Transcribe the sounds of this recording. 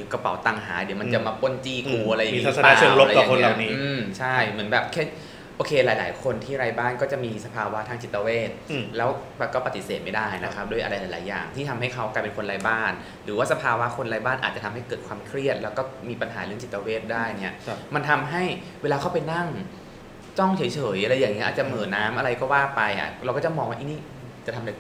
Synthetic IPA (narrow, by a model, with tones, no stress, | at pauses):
i˨˩˦ka˧pa̰˩˦wt̪a˨˩ŋɦaː˩˦di˩˦ma˧nt͡ɕa˨˩maː˧po˥˩nt͡ɕiː˥˩kuː˧ʔa˧ɾa˧jmi˧˦saaː˨˧sːlo˦˥ɾa˧ɔː˨a˧kʰo˧nla˨˦˧niː˦ɯː˧mt͡ɕʰa˥˩jmɯ˩˦ənbɛː˨˩p̚kʰɛː˥˩ | ʔoː˧kʰeː˧laː˨˦jla̰ː˩˦jkʰo˧nt̪ʰiː˥˩ɾaː˧jbaː˥˩nkɔː˥˩t͡ɕa˨˩miː˧sa˧pʰaː˧wa˦˥t̪ʰaː˧ŋt͡ɕi˨˩t̪ːa˧weː˥˩t̪̚lɛː˦˥wbɛː˨˩p̚kɔː˥˩pa˧˥t̪ːi˧˩seː˨˩t̪̚ma˥˩jdaː˥˩jna˦˥kʰa˦˥p̚du˥˩əjʔa˧ɾa˧jlaː˨˦jlaː˩˦jːa̰ː˨˩ŋt̪ʰiː˥˩t̪ʰa˧mɦa˥˩jkʰa˦˥wklaː˧jpe˧nkʰo˧nɾaː˧jbaː˥˩n | ɾɯː˩˦waː˥˩sa˧pʰaː˧wa˦˥kʰo˧nɾaː˧˥jbaː˥˩nʔaː˨˩t͡ɕa˨˩t̪ʰa˧mha˥˩jkɤː˨˩t̪̚kʰwaː˧mkʰɾi˥˩ət̪̚lɛ˦˥wkɔː˥˩miː˧pa˧nɦa̰ː˩˦ɾɯ˥˩ət͡ɕi˨˩t̪ːa˧weː˥˩t̪̚daː˥˩jni˦˥ɐma˧nt̪ʰa˧mɦa˥˩j | weː˧laː˧kʰa˦˥˩pa˧jna˥˩ŋ | t͡ɕɔ˥˩ŋt͡ɕʰɤː˩˦jt͡ɕʰɤː˩˦jʔa˧ɾa˧jːaː˨˩ŋi˦˥ʔaː˨˩t̪̚t͡ɕa˨˩mɤː˨˩naː˦˥mʔa˧ɾa˧jkɔː˥˩waː˥˩pa˧jʔa̰˨˩ɾwkɔː˥˩t͡ɕa˧˥˩mɔː˧ŋwaː˥˩ʔi˧˥˩niː˥˩ | t͡ɕa˨˩t̪ʰm˨˧ɾa˧˦